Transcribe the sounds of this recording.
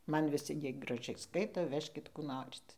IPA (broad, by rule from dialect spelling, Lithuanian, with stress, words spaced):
ˈmɐn ʋʲɪˈsʲɪ ˈjiɛ ɡrɐˈʒʲɛɪ ˈskɐɪtoː ˈʋʲæːʃʲkʲɪt ˈkuː ˈnoːrʲɪt